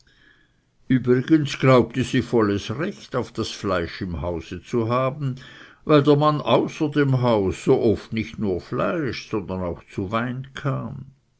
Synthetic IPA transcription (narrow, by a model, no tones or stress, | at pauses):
ʔyːbʁiɡənsɡ̥laʊp̚təziːfɔləsʁɛçtaʊfd̥asflaɪʃɪmhaʊz̥ət͡suɦaːbn̩vaɪldeːɐmanʔaʊsɐdeːmɦaʊsːoːʔɔftnɪçtnuːɐfla̰ɪʃsɔnd̪ɐnaʊxt͡suvaɪnkʰaːm